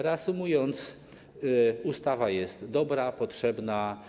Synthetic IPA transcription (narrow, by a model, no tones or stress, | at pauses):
ɾɛasumujɔnt̪s | ust̪avajɛst̪d̪ɔbɾapɔtʂɛbna